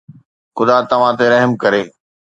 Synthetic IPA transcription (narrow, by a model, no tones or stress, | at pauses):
xʊd̪at̪ɐʋ̤ãt̪eɾɐɦəmkɐɾeː